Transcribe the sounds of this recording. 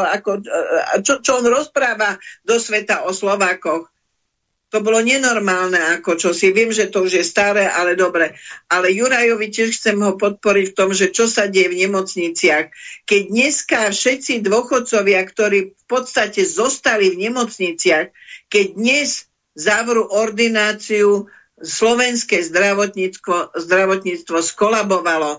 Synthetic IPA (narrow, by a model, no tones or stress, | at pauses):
akɔt͡ʃɔt͡ʃɔɔnɾɔspɾaːʋad̪ɔsʋɛt̪aɔslɔʋaːkɔx | t̪ɔbɔlɔɲɛnɔɾmaːlnɛakɔt͡ʃɔsiʋɪɛmʒɛt̪ɔuʒjɛst̪aɾɛːʔalɛd̪ɔbɾɛʔalɛjuɾajɔʋicɪɛʃxt͡sɛmɦɔpɔt̪̚pɔɾicft̪ɔmʒɛt͡ʃɔsaɟɛjɛvɲɛmɔt͡sɲit͡sɪaxkɛɟ̚d̪ɲɛskafʃɛt̪t͡sid̪ʋɔxɔt̪̚t͡sɔʋɪakt̪ɔɾiːfpɔt̪st̪acɛzɔst̪alivɲɛmɔt͡sɲit͡sɪaxkɛɟ̚d̪ɲɛz | zaʋɾuʔɔɾd̪inaːt͡siu | slɔʋɛnskɛzd̪ɾaʋɔt̪ɲikɔzd̪ɾaʋɔt̪ɲiːt͡st̪ʋɔskɔlabɔʋalɔ